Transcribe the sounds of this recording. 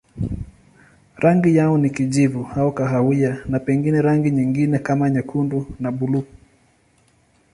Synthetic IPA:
ɾʔaŋɡijaɔnikiʄivuhaɔkaɦawianapɛŋɡinɛɾaŋɡiɲiŋɡinɛkamaɲɛkʰundunaɓulu

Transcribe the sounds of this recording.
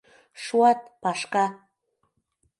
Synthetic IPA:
ʃuɑt̪̚pɑʃkɑ

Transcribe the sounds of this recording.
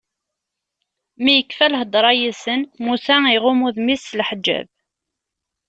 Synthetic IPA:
mijəkːfælɦəd̪ˤɾˤɑjisənmusæiʁʊmuðmislħd͡ʒːæ̰v

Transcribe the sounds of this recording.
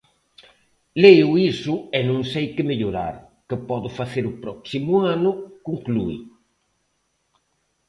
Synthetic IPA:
lejʊisʊɛnõŋsejkɪmeʎoɾa̰ɾ | kɪpɔðʊfaθeɾʊpɾɔksimʊanʊkuŋkluḭ

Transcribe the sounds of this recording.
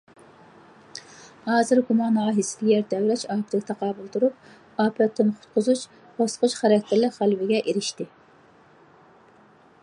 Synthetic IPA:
hɑːzɨɾɡumɑnɑːɦisɪd̪ʲijɛɾd̪ɛwlɛt͡ʃɑːpʰɾɪkʲɪt̪ʰɑqɑːbulˠt̪uɾup̚ | ɑːpʰɨɾɛt̪ʰːɨnqʰʊ̥t̪̚qʰʊzut͡ʃ | b̥ɑsqʊt͡ʃχæɾɛkʲt̪ʰɪɾlɪχælwɪɡʲɛʔeɾɪʃt̪ɪ

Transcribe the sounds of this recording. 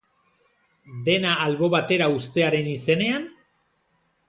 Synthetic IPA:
d̪e̞naːlβo̞βat̪e̞ɾaust̪e̞aɾe̞nise̞ne̞an

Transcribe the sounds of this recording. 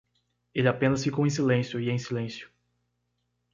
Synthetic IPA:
elɪapẽnɐsfikowẽs̬ilẽsjʊiẽj̃silẽsjʊ̥

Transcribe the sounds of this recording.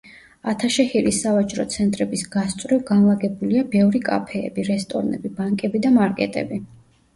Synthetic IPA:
at̪ʰaʃɛhiɾisːavat͡ʃʼɾɔt̪sʰɛnt̪ʼɾɛbisɡ̥ast̪sʼvɾivɡanlˠaɡɛbuliabɛvɾikʼa̰pʰɛ̰ːbiɾɛst̪ʼɔ̰ɾnɛ̰bibaŋkʼɛbid̪amaɾkʼɛ̰t̪ʼɛ̰bi

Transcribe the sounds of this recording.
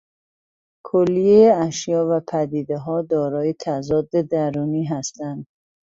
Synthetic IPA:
kʰolːijejeæʃjɒːvæpʰæd̪iːd̪eɦɒːd̪ɒːɾɒːjet̪ʰæzɒːd̪ːed̪æɾuniːɦæst̪ænd̪

